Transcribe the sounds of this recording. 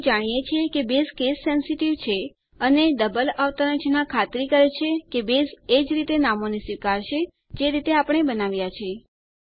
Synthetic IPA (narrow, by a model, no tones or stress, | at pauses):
d͡ʒaɽ̃ijet͡ʃʰekebeskesːɛnsiʈiʋt͡ʃʰe | əned̪əbəlaʋt̪aɾat͡ʃnakʰat̪ɾikəɾet͡ʃʰekebesed͡ʒɾit̪enamonisʋikaɾt͡ʃʰe | d͡ʒeɾit̪eapəɽ̃ebənaʋjat͡ʃʰe